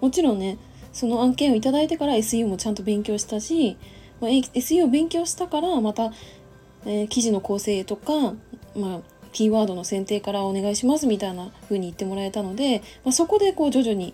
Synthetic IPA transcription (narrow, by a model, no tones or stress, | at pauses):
mo̞t͡ɕiɾõ̞nːe̞ | so̞no̞ãŋkẽ̞ɰ̃o̞it̪ad̪ait̪e̞kaɾae̞sɨiɯmo̞t͡ɕãnt̪o̞bẽ̞ŋkʲo̞ːɕi̥t̪aɕi | maeesɨɯobẽ̞ŋkʲo̞ːɕi̥t̪akaɾamat̪a | ekʲiʑino̞ko̞ːse̞ːt̪o̞kama | kʲiːβaːd̪o̞no̞sẽnt̪e̞ːkaɾao̞ne̞ɡaiɕimasɨmʲit̪ainaɸɯ̟ːɲ̟iːt̪ːe̞mo̞ɾae̞t̪ano̞d̪e̞maso̞ko̞d̪e̞ko̞ːd͡ʑo̞ʑoɲ̟i